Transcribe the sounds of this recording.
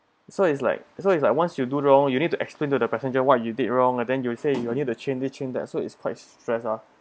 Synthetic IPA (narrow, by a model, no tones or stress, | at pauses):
sots̬la̰ɪk̚soits̬laɪk̚wãnsjuduɹɔ̃ŋjunid̚tuʔɛ̰ksplẽntudəpɛsə̃nd͡ʒəwɔt̚judit̚ɹɔ̃ŋɛ̃ndɛ̃njusejunitut͡ʃʰẽnlit͡ʃʰẽndɛ̰tsoɪ̰tskʰwaɪtstɹɛsa